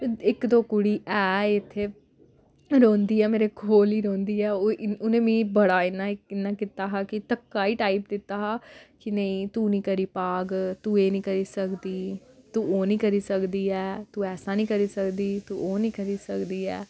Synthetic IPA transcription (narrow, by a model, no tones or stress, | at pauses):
ɪkd̪oːkʊɽiːʔɛːɪt̪ʰːeː | ɾõːnd̪iːɛːmeːɾekʰoːliːɾõːnd̪iːɛːoʊnẽːmĩːbəɽaːɪnːaɪnːaːkɪt̪aːɦaːkɪt̪əkːaːiːʈaːipd̪ɪt̪ːaːɦaːkɪnəĩːt̪uːnĩːkəɾiːpaːɡt̪uːeːnĩːkəɾiːsəkd̪iːt̪uːoːnĩːkəɾiːsəkd̪iːɛːt̪uːɛːsãːnĩːkəɾiːsəkd̪iːt̪uʔoːnĩːkəɾiːsəkd̪iːɛː